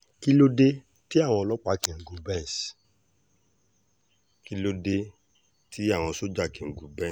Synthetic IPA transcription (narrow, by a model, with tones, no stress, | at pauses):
ki˦lo˦de˦ | ti˦a˦˨w̃ɔ̃˧ɔ˧lɔ˦k͡pa˧˦ki˨ŋ̩˨ɡu˧bɛ̃˦˨s | ki˦lo˦de˦ | tʰi˦a˦˨w̃ɔ̃˧so˦d͡ʒa˦˨ki˨ŋ̩˨ɡũ˧bɛ̃˦˨